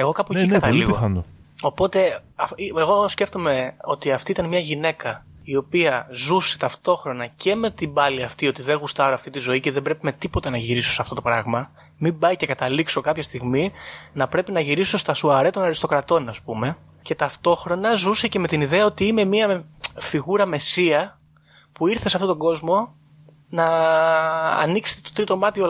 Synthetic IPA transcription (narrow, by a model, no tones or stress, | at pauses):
e̞ɣo̞kɐpoikɐt̪ɐliɣoɐnd̪o | o̞po̞t̪e̞ | ɐieɣo̞sce̞ft̪ome̞o̞t̪iɐft̪iit̪ɐnmɲɐʝine̞kɐ | io̞piɐzuse̞t̪ɐft̪o̞xɾo̞nɐce̞me̞t̪ibɐliɐft̪io̞t̪iðe̞ɣust̪ɐɾoɐft̪it̪izo̞iceðebɾe̞pimet̪ipo̞t̪ɐnɐʝiɾisosɐft̪o̞t̪o̞pɾɐɣmɐ | mibɐjce̞kɐt̪ɐlikso̞kɐpçɐst̪iɣminɐpɾe̞pinɐʝiɾiso̞st̪ɐsuɐɾet̪o̞nɐɾist̪o̞kɾɐt̪o̞nɐspume̞ | ce̞t̪ɐft̪o̞xɾo̞nɐzuse̞ce̞me̞t̪iniðe̞ɐot̪iime̞miɐfiɣuɾɐme̞siɐ | puiɾθesɐft̪o̞t̪o̞ɡo̞zmo̞ | nɐ̰ː | nikset̪et̪ot̪ɾit̪o̞mɐt̪io